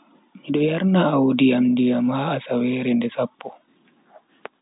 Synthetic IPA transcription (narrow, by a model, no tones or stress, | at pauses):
miɗɔjaɾnaːwodiamdijamaːsawɛːɾɛndɛsapːɔ